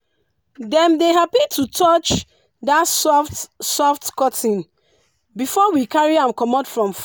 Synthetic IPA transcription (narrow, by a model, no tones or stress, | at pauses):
dɛ̃mdeɦapitʰutʰɔt͡ʃ | datsɔftsɔftkɔtʰĩn | bifɔwikaɹiãmkɔmɔdfɹɔ̃mf